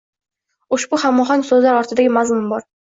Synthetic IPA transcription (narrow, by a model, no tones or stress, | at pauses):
ʊʃbʊχamːɒχɒŋsɵzlaɾɒɾt̪ʰɪd̪aɡʲɪmazmʊmbɒɾ